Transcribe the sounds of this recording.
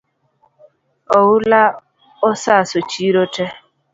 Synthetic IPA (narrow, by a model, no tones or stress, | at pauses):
ɔwula | ɔsasot͡ʃiɾotɛ